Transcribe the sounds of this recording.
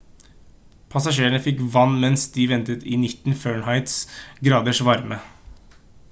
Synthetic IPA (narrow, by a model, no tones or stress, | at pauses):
pʰɑsɑʂeːəɳəfɪkʋɑnːmɛnsd̪ɪʋɛnt̪ət̪ɪnɪt̪n̩føːɳhɑɪt̪sɡɾɑːd̪əʂʋɑɾmə